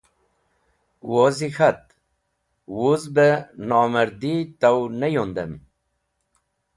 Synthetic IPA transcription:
wozixat̪̚ | wuzbənɑməɾd̪it̪awnejond̪əm

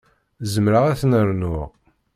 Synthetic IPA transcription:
zəmɾəʁæθnəɾnʊʁ

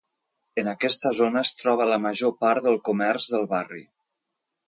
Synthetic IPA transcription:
ənəkɛst̪əzonəːst̪ɾɔβ̞ələməʒopaɾðəlˠkumɛrzðəlˠβarḭ

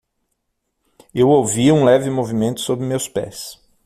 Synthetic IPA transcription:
ewowviũlɛvɪmovimẽnt̪ʊ̥sobɾɪmewspɛ̰s

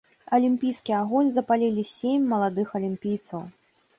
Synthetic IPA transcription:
ɐlʲimpʲijskʲiaɣɔnʲzɐpalʲilʲisʲemʲmɐlˠad̪ɨxɐlʲimpʲijt̪sɐw

